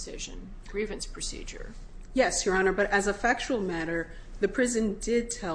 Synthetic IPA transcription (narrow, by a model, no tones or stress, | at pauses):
sɪʒɨ̰̃n | ɡ̥ɹivɨ̃nspʰɹ̥ɨsḭd͡ʒə̰˞ | jɛsjə˞ɑnə˞bʌɾʔɨzəfæk̚t͡ʃul̩ˠmæɾə˞ | ðɨpʰɹ̥ɪzɨ̃ndɪd̚tʰɛ